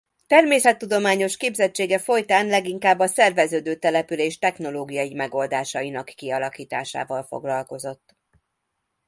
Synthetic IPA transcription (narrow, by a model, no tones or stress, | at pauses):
t̪ɛrmeːsɛt̪ːud̪o̞maːɲo̞ʃkeːbzɛt͡ʃːeːɡɛfo̞jt̪aːnlɛɡiŋkaːbːɒsɛrvɛzøːd̪øːt̪ɛlɛpyleːʃt̪ɛxno̞loːɡijɒimɛɡo̞ld̪aːʃɒjinɒkːiɒlɒkiːt̪a̰ːʃa̰ːvɒlfo̞̰ɡlɒlko̞zo̞t̪ː